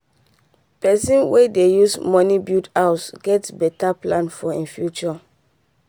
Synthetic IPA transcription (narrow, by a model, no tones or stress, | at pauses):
pɛsĩnwedejusmɔnibjutasɡ̥ɛtbɛtaplãnfɔĩnfjut͡ʃɔ